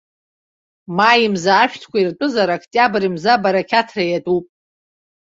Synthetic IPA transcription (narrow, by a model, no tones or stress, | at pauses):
majimzaːʃᶣtʰkʷʰairtʼʊzaɾakʰtʼjabɨɾimzabaɾakʲʰatʰrajatʼupʼ